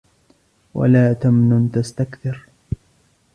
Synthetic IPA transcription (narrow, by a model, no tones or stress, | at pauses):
wa̰laːt̪amnʊnt̪ast̪akθɪɾ